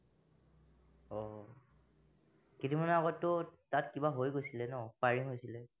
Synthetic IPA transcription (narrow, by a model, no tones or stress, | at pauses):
ɔ | kitimanɛaɡɔtːʊtatkibaɦojɡojsilɛnɔpaɹiɦojsilɛ